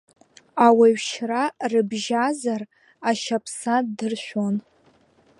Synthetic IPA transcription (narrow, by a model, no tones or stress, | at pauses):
awaɥʃrarɨbʒazar | aʃapʰsadɨrʃʷᶣon